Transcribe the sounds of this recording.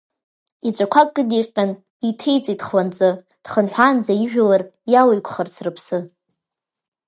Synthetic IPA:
it͡ʃʷʼakʷʰakʼːɨdiqʲʼːan | itʰejt͡sʼidχlant͡sʼɨ | d̥χənħʷand͡zaiʒᶣalarjalajkʷʰʼχərt͡sʰrɨpʰsɨ

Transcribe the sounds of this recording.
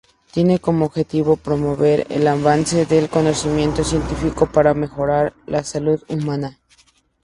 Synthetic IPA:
t̪je̞ne̞ko̞moːβxe̞t̪iβo̞pɾomoβe̞ɾḛlaβanse̞ðelko̞nosimjẽ̞nt̪o̞sje̞nt̪ifiko̞paɾame̞xo̞ɾaɾlasaluðumãna

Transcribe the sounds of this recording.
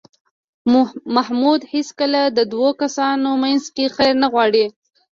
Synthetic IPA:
mahmud̪heskəlad̪əd̪wokasɑnomanzkexajɾnaɣwɑɽi

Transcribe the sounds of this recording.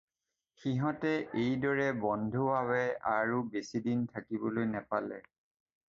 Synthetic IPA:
xiɦɔtɛʔejdɔɹɛbɔndʱuwawɛaɹubesidintʰakibɔlojnɛpalɛ̰

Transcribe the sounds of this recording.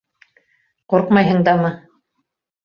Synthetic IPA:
qoɾqmɑjɦɤ̆ɴd̪ɑmɤ

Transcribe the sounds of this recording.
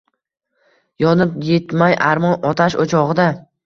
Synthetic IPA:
jɒnɪpjet̪majʔaɾmɒnɒt̪ʰaʃot͡ʃʰɒʁɨd̪a

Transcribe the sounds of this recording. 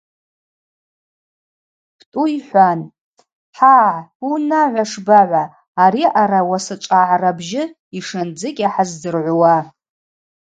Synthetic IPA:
pʰtʼuiħʷan | ħaːʕinaʕʷaʂbaʕʷaː | ɾiʔaɾawasɨt͡ʃʷʼaʕarabʒɪ | iʂɨnd͡zɨkʲʼaħazdɨrʕʷʊwa

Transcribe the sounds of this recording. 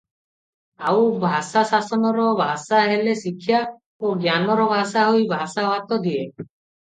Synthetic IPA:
awbʱasasasɔnɔɾɔbʱasaɦelesikʰːja | oɡjanɔɾɔbʱasaɦojbʱasaɔɦat̪ɔd̪ie

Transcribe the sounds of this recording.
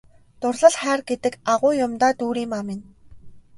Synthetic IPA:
t̪ʊrɮ̥ə̆ɮχæːrɡet̪ɘ̆kaʁʊːjʊmt̪aːt̪uːɾiːmamɪn

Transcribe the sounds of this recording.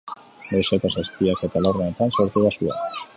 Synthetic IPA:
d̪ojset̪asaspiaket̪alornaet̪ansoɾt̪uðasua̰

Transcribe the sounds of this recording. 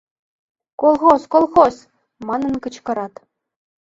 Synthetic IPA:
kolˠχosʲkolˠχos | mɑnɤ̆nkɤ̆t͡ɕkɤ̆ɾɑt̪

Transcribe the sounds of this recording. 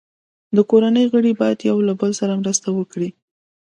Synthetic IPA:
d̪əkoɾanəjɣəɽibɑjad̪jawlabəlsaɾamɾəst̪awəkɽi

